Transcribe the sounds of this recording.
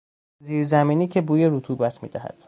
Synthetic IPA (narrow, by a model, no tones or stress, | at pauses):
ziːɾzæmiːniːcʰebuːjeɾut̪ʰuːbæt̪ʰmḭːd̪æɦæ̰d̪̥